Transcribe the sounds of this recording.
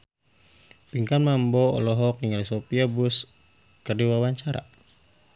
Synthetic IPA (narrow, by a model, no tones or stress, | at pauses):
piŋkanmambɔɔ̰lɔɦɔkiŋalisɔpiabus | kərdiwawaɲt͡ʃaɾa̰